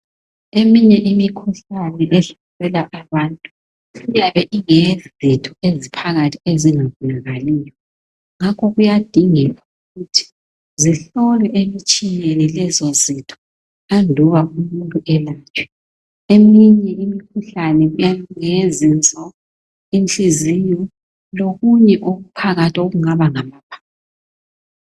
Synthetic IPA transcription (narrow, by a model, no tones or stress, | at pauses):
emiɲɛʔimikʰuɬanɛʔɛɬɔlɛlaʔaβaːntʼu | ɣujaβɛʔiŋezitʰʼɔezipʰaɣatʰieziŋaβulaɣalijɔ | ŋakʰɔɣujad̥ʱiŋɛu | ɣutʰi̥ | ziɬɔlɛʔemit͡ʃʼijenilɛzozitʰɔ̥ | andʱuβaumuntʼuʔɛlaːt͡ʃʰʼwɛ̥ | emiɲɛʔimikʰuɬanɛɣujaŋezint͡sʼɔ | int͡ɬizijɔ | loɣuɲɛʔoɣupʰaɣatʰioɣuŋaβaŋamapʰḁː